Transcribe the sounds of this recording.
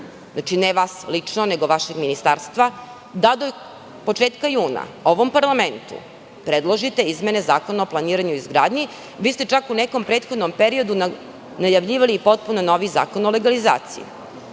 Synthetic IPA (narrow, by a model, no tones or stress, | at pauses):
znat͡ʃineʋaːslit͡ʂnone̞ɡo̞ʋaʃeɡminist̪aɾst̪ʋa | d̪ad̪o | po̞t͡ʂeːt̪kajuːna̰oʋo̞mpaɾlame̞nt̪ṵ | pɾed̪lˠoʒit̪e̞izme̞ne̞za̰ːko̞naoplˠaniːɾaɲuizɡɾaːd̪ɲi | ʋiːst̪e̞t͡ʂakunekompɾeːt̪xo̞d̪nompeɾio̞d̪u | najaʋʎiːʋaliːpo̞t̪̚punonoʋiza̰ːkono̞le̞ɡaliza̰ːt̪sḭjḭ